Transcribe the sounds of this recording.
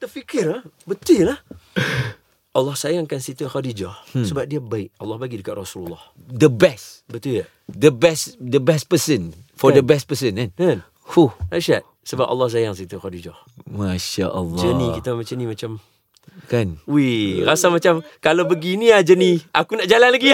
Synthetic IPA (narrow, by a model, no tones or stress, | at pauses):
t̪əfikɪrahbət̪ɪlah | ʔalːɑhsajaŋkansit̪əxadid͡ʒɔhsəbap̚diabaɪʔalːɔhbaɡidəkaʔ̪rɔsululːɔh | dəbɛsbət̪uja | dəbɛsdəbɛspəsənfɔdəbɛs̚pəsənkankan | huaʃat̪ | səba̰p̚ɑ̰lːɑhs̬ajaŋsit̪əxɔdid͡ʒɔh | maʃa̰ʔa̰lːd͡ʒənikit̪amat͡ʃənimat͡ʃam | kanuirasamat͡ʃamkalabəɡiniad͡ʒəniʔakunaʔd͡ʒalanlaɡia